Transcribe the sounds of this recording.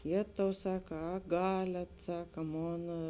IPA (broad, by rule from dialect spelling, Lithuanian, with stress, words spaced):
ˈjeːtɐʊ ˈsɑːkɐ ɐ ˈɡɑːlʲɛt ˈsɑːkɐ ˈmoːn